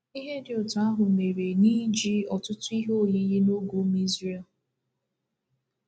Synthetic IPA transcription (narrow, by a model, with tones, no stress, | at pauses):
i˦ɦe˦dɪ˨ʊ˨tʊ˨a˦ɦʊ˨me˨ɾe˨ni˦d͡ʒi˦ɔ˨tʊ˦tʊ˦i˦ɦo˦˨ji˦ji˦no˦ɡu˨˦m˦i˦zri˦˨